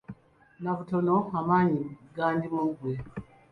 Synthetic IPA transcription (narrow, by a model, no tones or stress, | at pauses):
naβutonohamaɲiɡaːndimuɡwe